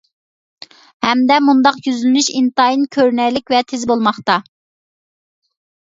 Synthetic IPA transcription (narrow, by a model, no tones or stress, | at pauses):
hɛmd̪ɛmund̪ɑqjyzylmyʃint̪ɑjinkʲʰøɾnɛjlɪkʲvɛt̪ʰɪzbolˠmɑχt̪ɑ